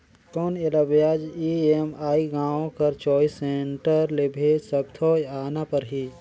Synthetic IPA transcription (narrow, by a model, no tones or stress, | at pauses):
kɔːnelɐbjaːd͡ʒiemaːiɡãːõkɐɾt͡ʃɔːiseːɳʈəɾlebʱesɐbt̪ʰɔːjaːnapɐɾɦi